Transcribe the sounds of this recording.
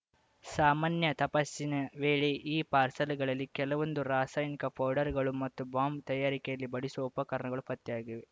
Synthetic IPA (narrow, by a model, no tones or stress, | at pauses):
saːmaːnjɐt̪ɐpɐsːinɐʋeːɭeʔiːpaːɾsɐlɡɐɭɐlːikɛlɐʋond̪uɾaːsaːjnikɐpʰɐːɖɐɾɡɐɭumɐt̪ːubaːmbt̪ɐjaːɾikɛjɐlːibɐɽisuʋɐupɐkɐɾɐɳɐɡɐɭupɐt̪ːijaːɡiʋe